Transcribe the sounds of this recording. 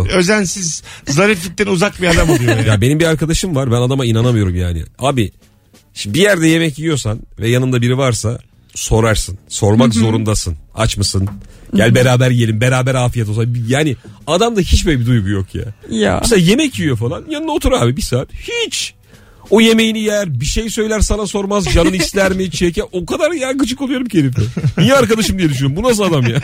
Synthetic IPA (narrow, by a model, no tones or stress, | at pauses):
øzænsizzaɾɯfɟit̪ːinuzak̚biad̪amaijojabe̞nimbiaɾkʰad̪aʃɯmvaɾbænad̪amainanamɯjo̞ɾumjaːnɪ̰aːbɪ | ʃimbijæɾd̪ɛje̞mɛciijo̞sanvɛjanɯnd̪abiɾivaɾsa | so̞ɾaɾsɯnso̞ɾmakzo̞ɾund̪asɯna̰t͡ʃmɯsɯnɟælʲbe̞ɾaːbæɾjielʲimbe̞ɾaːbæɾaːfijet̪̬osanbjaːnɪad̪amd̪açit͡ʃvɛbid̪ujɡujokja̰ja̰mseaje̞mɛcjijo̞falˠanjanɯnaot̪ʰuɾabibisaːt̪hit͡ʃ | oje̞me̞jinijæɾbiʃejsø̞jlʲæɾsanaso̞ɾmazd͡ʒanɯnɯislʲæɾmit͡ʃʰecɛʔokad̪aɾjakɯt͡ʃʰɯkolˠujo̞ɾumcʰeɾifɛijɛaɾkad̪aʃɯmd̪ijɛd̪yʃ̬ynɾimbunas̬ɯad̪amjaː